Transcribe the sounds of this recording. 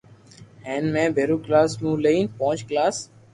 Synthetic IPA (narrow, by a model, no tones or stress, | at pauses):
ɦẽːnmẽːbʱeːɾuːklaːsmũːleiːnpõːt͡ʃklaːs